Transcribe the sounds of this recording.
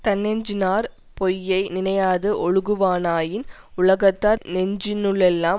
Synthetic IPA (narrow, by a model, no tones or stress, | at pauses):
t̪ɐnːɛɲd͡ʒɪnaːɾ | pɔjːɐɪnɪnɐjaːðɯʔɔɻɯɣɯʋaːnaːjɪn | ʊɭɐɣɐt̪ːaːnɛɲd͡ʒɪnɯɭɛlːaː